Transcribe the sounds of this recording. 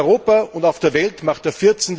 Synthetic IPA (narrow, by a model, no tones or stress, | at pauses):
ʏʁoːpaʊntaʊfd̥eːɐvɛltmaχt̚d̥eːɐfɪɐt͡send